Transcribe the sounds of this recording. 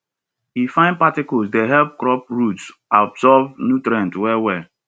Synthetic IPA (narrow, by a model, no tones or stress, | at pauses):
hifãɪ̃n̚patɪkɔsdeɦɛlp̚kɾɔp̚ɹutsabsɔvnutɾɛ̃ntwɛwɛ